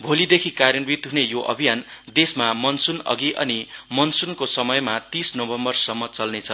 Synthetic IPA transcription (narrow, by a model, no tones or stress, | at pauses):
bʱolid̪ekʰikarjʌnbit̪ɦunejoʔʌ̰bʱijand̪esmamʌnsunʌ̰ɡiʔʌ̰nimʌnsunkosʌmʌjmat̪isnobʱʌmbʌrsʌmːʌt͡sʌlnet͡sʰʌ